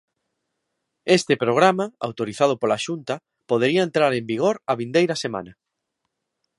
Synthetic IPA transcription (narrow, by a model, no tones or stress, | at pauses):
est̪epɾoɣ̞ɾamaa̰wt̪oɾiθað̞ʊpolaʃunt̪ɐ | poð̞eɾiɐent̪ɾaɾembiɣ̞oɾɐβind̪ejɾɐsema̰nɐ